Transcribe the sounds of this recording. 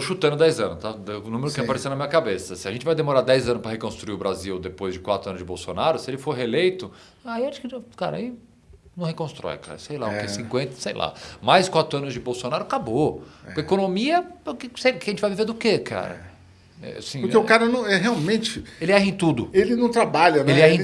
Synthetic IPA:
t̪oʃut̪ɐ̃nʊd̪ɛjzɐ̃nʊst̪aɛnũmeɾʊkkɛ̃paɾesẽd̪nɐmĩɲɐkabesɐsɪaʒẽt͡ʃɪvajd̪emoɾad̪ɛjzɐ̃nʊspɾɐhekõst̪ɾuiʊbɾaziwd̪epojzd͡ʒɪkwat̪ɾʊɐnʊzd͡ʒɪbowsonaɾʊsɪelɪfoɾɦelejt̪ʊ | aiaʃkɪka̰ɾɐa̰i | nɐ̃w̃hekõst̪ɾɔ̰jka̰ɾɐsejlaʊkɛsĩŋkwẽnt̪ɐ̥sejlʔa̰majskwat̪ɾʊɐ̃nʊzd͡ʒɪbowsonaɾʊkaboekonomiɐkɪsekʒẽt͡ʃɪvajviveɾd̪ʊkekʰa̰ɾɐ̰ | ɛ̰sĩpʊɾkeʊkaɾɐnɐ̃w̃ɛɦeawmẽt͡ʃɪelɪɛɦẽt̪ud̪ʊelɪnɐ̃w̃t̪ɾabaʎɐelɪɛhẽ

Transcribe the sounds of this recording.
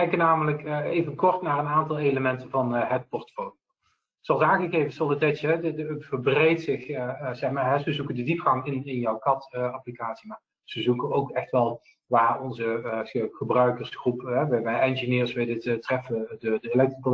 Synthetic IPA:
kɛjkənaːmələkejvənkɔɹtnaːrənaːntɑlˠejləmɛntəvɑnɦət̚pɔɹtfowlo | zoɑlˠsaːnɣəɣejvənsɔlˠətɛjtəɦɛdədəvəɹbrejtsɪxzɛxmaːɹɦɛzəzukəndədipxɑŋɪnɪnjɔwkɑtəɑplikaːtsimaː | z̥əzukənowkɛxtʋɛlˠ | ʋaːrɔnzəəχəbrœɥkəɹsxrupɦɛʋɛʋɛjɛnʒinɪːɹsʋɛjdɪttrɛfədədəɪlɛk̚triko

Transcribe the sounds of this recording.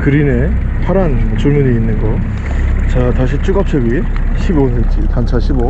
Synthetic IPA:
kɯɾine̞ | pʰaɾanmʌt͡ɕoɭmuɲiːnːɯnɡʌ | t͡ɕataɕʰit͡ɕ͈uɡap̚t͡ɕʰʌɡi | ɕʰibonet͡ɕ͈itant͡ɕʰaɕʰibo

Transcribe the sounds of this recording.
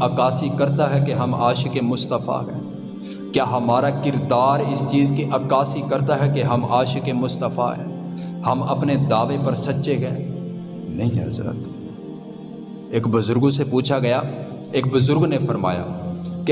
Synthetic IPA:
ɐːkaːsikɐɾt̪aɦɛkeɦɐma̰ːʃkemʊst̪əfa̰ɦɛ̰̃ː | kjaːɦɐmaːɾakɪɾd̪aːɾɪst͡ʃiːzkiʔɐkaːsikɐɾt̪aɦɛkeɦɐmaːʃkemʊst̪əfa̰ɦɛ̰̃ː | hɐmɐ̰pned̪aːʋepɐɾsɐtːʃeɡɐḛ̃ː | nɐɦĩɦɐ̰zɾə̰t̪ | eːkbʊzʊɾɡõsepuːt͡ʃʰaɡɐjaː | eːk̚bʊzʊɾɡnefəɾma̰ːja̰ːke

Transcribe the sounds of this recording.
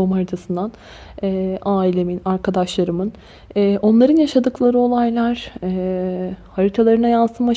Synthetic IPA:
omɦaɾit̪ʰasɯnd̪an | ɛʔaːilʲe̞minaɾkʰad̪aʃlˠaɾɯmɯnː | ʔo̞nlˠaɾɯnjaʃad̪ɯklˠaɾɯo̞lˠajlˠaɾ̥ɛ | haɾit̪ʰalˠaɾɯnajansɯma

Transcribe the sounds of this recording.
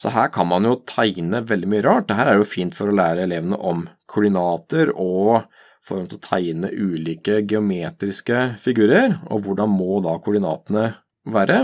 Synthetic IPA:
sɔɦæːɾkʰɑnmɑnjʊt̪ʰæɪnəʋɛld̪ɪmyːəɾɑːʈ̚d̪ɛɦæːɾæɖɛjʊfiːnt̪fɔɾɔlæːɾəɛleːʋənə̰ʔɔmkʰʊɖɪnɑːt̪əɾɔ | fɔɾmt̪ɪlɔt̪ʰæɪnə̰ʔʉːliːkəɡɛʊmeːt̪ɾɪskəfɪɡʉːɾəɾɔ̰ʋʊɖɑnmɔd̪ɑkʰʊɖɪnɑ̰ːt̪ənə | ʋæːɾʔə

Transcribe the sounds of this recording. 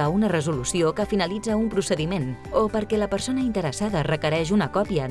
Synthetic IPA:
aunərəzulusiokəfinəlid͡zəumpɾusəðimenopəɾkɛləpəɾsonəint̪əɾəsaðərəkəɾɛʃunəkɔpiə

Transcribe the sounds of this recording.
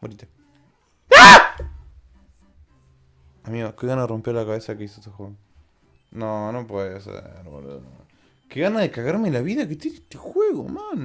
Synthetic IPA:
oɾit̪ḁ | a | amiokeɣanaðerompeɾlakaβesakeisoet̪exweɣo | nonopweðesḛɾβo̰lḛno | keɣanaðekaɣaɾmelaβiðaket̪enet̪exweɣo̰man

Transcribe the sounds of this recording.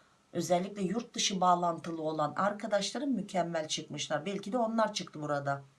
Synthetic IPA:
ø̞zɛlʲːicʲlʲɛjuɾt̪̚d̪ɯʃɯbaːlˠant̪ʰɯlˠɯo̞lˠanaɾkʰad̪aʃlˠaɾɯnmycʰɛmːælʲt͡ʃʰɯkmɯʃlˠaɾbɛlʲcʰid̪ɛo̞nlˠaɾt͡ʃʰɯkt̪ɯbuɾad̪a

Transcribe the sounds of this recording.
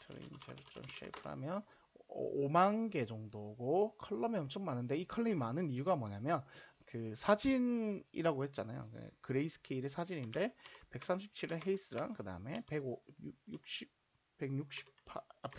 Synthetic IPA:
tʰɯɾḛind͡ʑʰeɾt͡ɕo̰mɕḭpʰɯɾa̰mjʌn | ʌ̰omanɡe̞d͡ʑʌŋdoɡokʰʌɭːʌmiʌmt͡ɕʰʌmmanɯnde̞ikʰʌɭːiimanɯnijuɡamʌɲamjʌn | kɯsʰad͡ʑinḭɾaɡohe̞t̚t͡ɕ͈anajo̰kɯḛkɯɾe̞isʰɯ̥kʰeiɾesʰad͡ʑininde̞pe̞k̚s͈amɕʰip̚t͡ɕʰiɾɯɭɦeis͈ɯɾaŋkɯda̰ɯme̞pe̞ɡojujuk̚ɕ͈i | pe̞ɡɲuk̚ɕ͈i̥ppʰp

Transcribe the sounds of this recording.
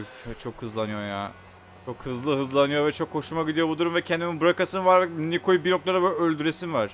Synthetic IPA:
ft͡ʃʰo̞khɯzlˠanɯjo̞ja | t͡ʃʰo̞khɯzlˠɯɦɯzlˠanɯjo̞vɛt͡ʃʰo̞kʰːo̞ʃumaɟid̪ijo̞bud̪uɾumvɛcʰɛnd̪imibuɾakasɯnvaɾnikʰo̞jubino̞k̚lˠaɾabølʲølʲd̪yɾesinvaɾ̥

